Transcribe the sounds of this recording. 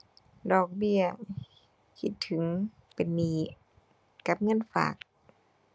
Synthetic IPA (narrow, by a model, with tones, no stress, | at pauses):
dɔː˧˩k̚bi˧˩ɐ | kʰi˧˩t̪ʰːɯ˨˩˦ŋ | pe˨˩nːiː˧˥˩ | ka˧˦p̚ŋɤ˧˥˨nfa̰ː˨˩k̚